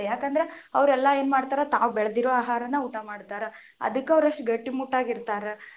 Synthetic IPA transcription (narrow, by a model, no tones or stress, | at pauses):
jaːkɐnd̪ɐɾeɐʋɾɛlːɐe̞ːnmaːɽt̪aːɾot̪aːʋubɛɭd̪iɾoːaːɦaːɾɐnːɐuːʈamaːɖt̪aːɾe | ɐ̰d̪ɐkːeɐʋɾɐʂʈɡɐʈːimuʈːaːɡiɾt̪aːɾe